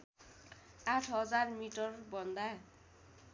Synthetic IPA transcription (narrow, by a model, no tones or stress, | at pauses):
aʈʰɦʌd͡zarmiʈɔrbʌnd̪aj